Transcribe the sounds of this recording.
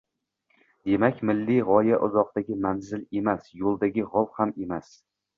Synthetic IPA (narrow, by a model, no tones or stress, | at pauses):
d̪̥e̞makʲmɪlːiʁɒjaʔʊzɒq̚t̪aɡʲɪmanzɪle̞masjolˠd̪aɡʲɪʁɒlˠhame̞mas